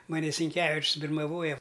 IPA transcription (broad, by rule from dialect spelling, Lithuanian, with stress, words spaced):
mɐˈnʲɪ sʲɪŋʲˈkʲæːʋʲɪt͡ʃʲsʲ bʲɪrmɐˈʋoːjɛ